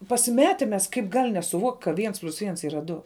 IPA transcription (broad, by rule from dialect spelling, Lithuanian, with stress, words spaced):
pɐsʲɪˈmʲæːtʲɪ mʲɛs ˈkɐɪp ˈɡɐlʲ nʲɛsʊˈʋuɔktʲ kɐ ˈʋʲiɛns pʲlʲʊs ˈʋʲiɛns ˈiːrɐ ˈdʊ